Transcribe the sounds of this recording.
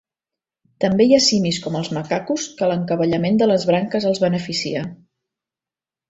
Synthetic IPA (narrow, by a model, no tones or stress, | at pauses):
t̪əmbejasimiskɔməlˠzməkakuskələŋkəβəʎəmend̪ələzβɾaŋkəzəlˠzβənəfisḭə